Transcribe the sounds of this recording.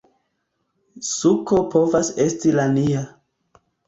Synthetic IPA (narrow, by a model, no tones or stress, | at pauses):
suko̞po̞vase̞stilania